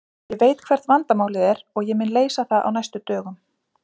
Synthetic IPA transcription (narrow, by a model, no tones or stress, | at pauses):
jɛveːjt̪kʰvɛɾ̥t̪vant̪amaːwlɪðɛɾɔɣjɛmɪnleːjsaθaðʔa̰wnajst̪ʏt̪œːɣʏm